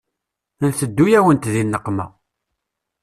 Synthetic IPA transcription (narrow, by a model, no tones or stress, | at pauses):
nθəd̪ːujæwənt̪ðinːəqːmæ̰